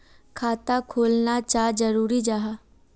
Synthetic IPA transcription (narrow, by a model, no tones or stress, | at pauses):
kʰaːt̪akʰoːlnat͡ʃaːd͡ʒəɾuːɾid͡ʒaːɦa